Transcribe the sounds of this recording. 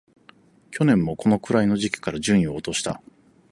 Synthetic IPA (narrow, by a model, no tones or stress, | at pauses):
kʲo̞nẽ̞mːo̞ko̞no̞kɯ̟ɾaino̞ʑikʲi̥kaɾaʑɨ̃ɰ̃ĩo̞ːt̪o̞ɕi̥t̪a̰